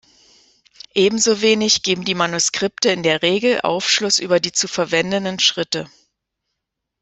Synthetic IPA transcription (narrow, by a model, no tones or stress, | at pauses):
ʔeːbm̩zoveːnɪçɡ̥eːbm̩diːmanuskʁ̥ɪptəɪndeːɐʁeːɡl̩ʔa̰ʊfʃlʊsʔy̰ːbɐdiːt͡sufɛɐvɛndənənʃʁ̥ɪtə